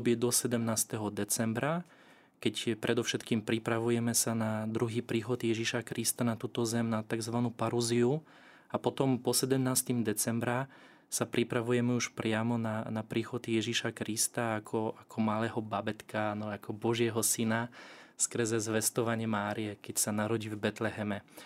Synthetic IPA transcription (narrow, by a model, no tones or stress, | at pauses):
bɪɛd̪ɔsɛd̪ɛmnaːst̪ɛɦɔd̪ɛt͡sɛmbɾa | kɛcpɾʔɛd̪ɔfʃɛt̪kiːmpɾipɾaʋujɛmɛsanad̪ɾuɦiːpɾiːxɔd̪jɛʒiʃakɾist̪anat̪uːt̪ɔzɛmnat̪aɡzʋanuːpaɾuziu | apɔt̪ɔmpɔsɛd̪ɛmnaːst̪imd̪ɛt͡sɛmbɾa | sapɾʔipɾaʋujɛmɛuʃpɾɪamɔnanapɾiːxɔd̪jɛʒiʃakɾist̪aːkʰɔakʰɔmalɛːɦɔbabɛt̪kanɔakɔbɔʒɪɛɦɔsinaskr̩zɛzʋɛst̪ɔʋaɲɪɛmaːɾijɛkɛcsanaɾɔɟivbɛt̪lɛɦɛmɛ